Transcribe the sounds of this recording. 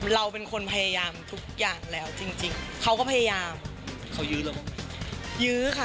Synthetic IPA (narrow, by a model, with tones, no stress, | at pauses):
ɾa˧wpe˧nkʰo˧npʰa˧ja˧jaː˧mt̪ʰu˦˥k̚jaː˨˩ŋlɛː˦˥wt͡ɕi˧ŋt͡ɕi˧ŋkʰa˦˥wkɔː˥˩pʰa˧jaː˧jaː˧m | kʰa˧˦˩wjɯː˦˥lːkɔ˧˥ma˧˩jɯː˦˥kʰa˦˥˩